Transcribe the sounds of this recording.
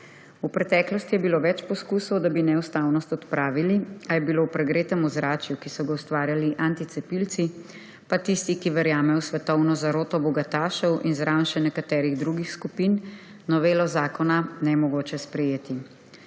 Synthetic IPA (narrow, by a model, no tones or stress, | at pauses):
upɾɛt̪ɛːklɔst̪ijɛbiloːʋɛt͡ʃpɔskuːsɔwd̪abinɛust̪awnɔst̪ɔt̪pɾaːʋiliajɛbiloupɾɛɡɾeːt̪ɛmuzɾaːt͡ʃjukisɔɡauwst̪ʋaːɾjaliʔant̪it̪sɛpilt̪si | pat̪ist̪ikiʋɛɾjaːmɛjɔsʋɛt̪ɔwnɔzaɾoːt̪ɔbɔɡat̪aːʃɔwʔinzɾawnʃɛnɛkat̪ɛːɾiɣd̪ɾuɡixskupinː | ɔʋeːlɔzaːkɔnanɛmɔɡoːt͡ʃɛspɾɛjeːt̪i